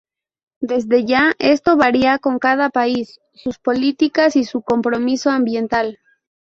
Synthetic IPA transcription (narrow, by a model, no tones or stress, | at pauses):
d̪e̞zðe̞ʝaʔe̞st̪o̞βaɾiako̞ŋkað̞apaisː | uspo̞lit̪ikasisuko̞mpɾo̞miso̞ambje̞nt̪al